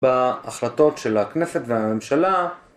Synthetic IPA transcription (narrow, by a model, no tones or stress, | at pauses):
baːχlato̞tʃe̞laknesetveame̞mʃala